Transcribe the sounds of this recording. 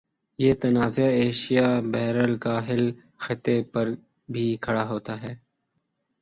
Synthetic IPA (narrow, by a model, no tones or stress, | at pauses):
jeːt̪ɐnaːzaeːʃijabɛɦɾəlkaːɦɪl | xɪt̪epɐɾ | bʱiːkʰɐɽaɦoːt̪aɦɛː